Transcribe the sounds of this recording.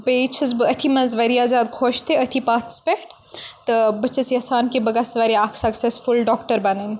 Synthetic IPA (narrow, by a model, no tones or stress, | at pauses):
beːt͡ʃʰɨzbɨɐt̪ʰimɐzʋɐɾiaːzʲjaːd̪̚kʰoːʃt̪ʰiɐt̪ʰipaːt̪speʈ | t̪ɨbɐt͡ʃʰɐsjɐsaːnkibɐɡɐsʋɐɾiaːksɐksesfulɖɔːkʈɐɾbɐnɐn